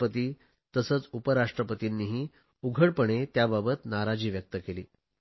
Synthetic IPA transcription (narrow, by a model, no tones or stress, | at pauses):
pət̪iː | t̪əsəːt͡supəɾaʂʈɾəpət̪inːiɦiː | uɡʱəɽpəɳ̃et̪jababət̪naɾad͡ʑiːʋjək̚t̪əkeliː